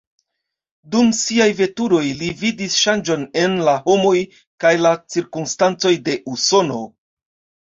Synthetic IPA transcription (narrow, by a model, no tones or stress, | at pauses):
dumsiajve̞tuɾo̞jlividisʃand͡ʒo̞ne̞nlaho̞mo̞j | kajlat͡siɾkumstant͡so̞jde̞ʔuso̞no̞̰